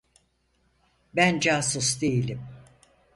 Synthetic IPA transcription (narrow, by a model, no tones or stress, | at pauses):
bænd͡ʒaːsusd̪e̞jilʲim